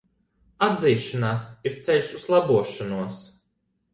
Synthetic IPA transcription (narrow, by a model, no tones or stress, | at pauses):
ad̪ziːʃɔnaːsiɾt̪sʲɛlʲʃuzlˠabuɔʃanuɔs